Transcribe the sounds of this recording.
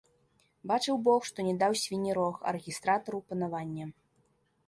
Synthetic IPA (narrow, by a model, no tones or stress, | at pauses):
bat͡ʂɨwbɔxʂt̪ɔnʲɛd̪awsʲvʲinʲɛɾɔxɐ̰ɾɛɣʲist̪ɾat̪ɔɾuwpɐnavanʲːɛ